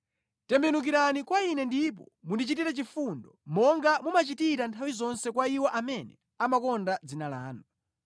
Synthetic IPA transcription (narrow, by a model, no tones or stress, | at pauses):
tɛmbɛnuk̬iɾanikwainɛndip̬ɔmundit͡ʃitiɾɛt͡ʃifundɔmɔŋɡamumat͡ʃitiɾantʰawizɔnsɛkwaiwɔʔamɛnɛ̰ | amakɔndad͡zinala̰ːnu